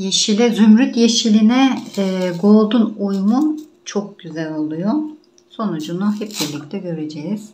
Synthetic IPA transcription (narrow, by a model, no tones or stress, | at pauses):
jeʃilʲɛzymɾyt̪jeʃilʲinɛː | ɡo̞lˠd̪unujmu | t͡ʃʰok̚ɟyzælʲolˠujo | so̞nud͡ʒunuɦɛp̚biɾlʲict̪ʰɛɟø̞ɾed͡ʒɛjiz̥